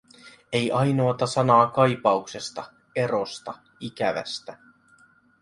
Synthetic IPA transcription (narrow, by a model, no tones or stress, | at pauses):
e̞jʔɑjno̞ːt̪ɑsɑnɑːkɑjpɑukse̞st̪ɑ | e̞ɾo̞st̪ɑ | ik̟æʋæ̰st̪æ